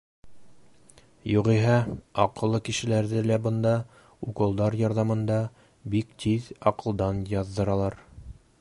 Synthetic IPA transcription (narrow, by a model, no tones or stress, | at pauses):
juʁiɦɑɑqɤ̆lˠːɤkɘ̆ʃɘ̆læɾðɘlæbɤ̆nd̪ɑ | uqɤ̆lˠd̪ɑɾjɑɾðɑmɤ̆nd̪ɑ | bikt̪ʰiðɑqɤ̆lˠd̪ɑnjɑðːɤ̆ɾɑlˠɑɾ